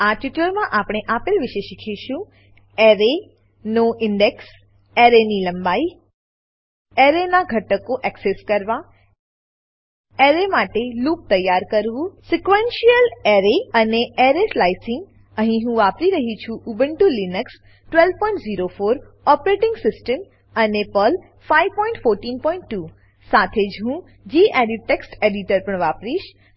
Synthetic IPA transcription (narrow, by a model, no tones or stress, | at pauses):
aʈiʈəɾmãʔapɽ̃eʔapelʋɪʃeʃikʰiʃũ | eɾe | noʔɪɳɖeks | eɾeniləmbai | eɾenaɡʱəʈəkoʔɛkseskəɾʋa | eɾemaʈelup̚t̪əjːaɾkəɾʋũsikʋenʃijəleɾeəneeɾeslajsɪ̃ŋɡ | ə̃ɦĩɦũʋapɾiɾəɦit͡ʃʰuʔubə̃ɳʈulinəks | ʈʋelʋpɔiɳʈziɾofoːɾ | ɔpɾeʈɪ̃ŋɡsɪsʈəm | ənepəl | faiʋpɔ̃ɪɳʈfoɾʈiːnpɔ̃ĩɳʈːu | sat̪ʰed͡ʒɦũ | d͡ʒiːʔeɾiʈeksʈeɖiʈəɾpəɳ̃ʋapɾiʃ